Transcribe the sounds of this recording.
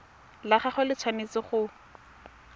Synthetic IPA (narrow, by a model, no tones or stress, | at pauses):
laχaχʊlɪt͡sʰwanit͡sɪχʊ